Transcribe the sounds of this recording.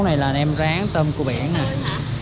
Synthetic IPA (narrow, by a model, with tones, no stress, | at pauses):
wna˨˩jlaː˨˩˧nʔɛ˧mzaː˨˦ŋt̪ə˧mku˧˩əɓɛ˧˩nːaː˨˩